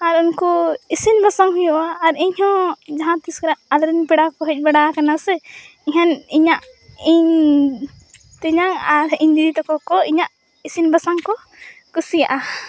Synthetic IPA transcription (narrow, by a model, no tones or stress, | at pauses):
aɾunkɔisinbasaŋɦujɔʔaːɾɛɲhɔ̃d͡ʒaɦãt̪iskɔɾaʔalɾɛnpɛɽakɔɦɛc̚ˀbɛɽakanasɛ | iɦaniɲaʔ | iɲ | t̪ɛɲaŋaɾiɲd͡ʒid̪it̪ɔkɔkɔiɲaʔ | isinbasaŋkɔ | kusijaʔa